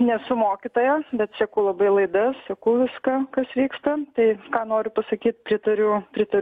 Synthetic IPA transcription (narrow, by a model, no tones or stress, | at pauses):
nʲɛsʊmoːkʲɪt̪oːjɛbʲɛt̪sʲɛkʊːlˠɐbɐɪlˠɐɪd̪ɐssʲɐkɐʊʋʲɪskɐkɐsʋʲiːkst̪ɐt̪ɐɪkɑːnoːɾʲʊpɐsɐkʲiːt̪̚pʲɾʲɪt̪ɐɾʲʊpʲɾʲɪt̪ɐɾʲ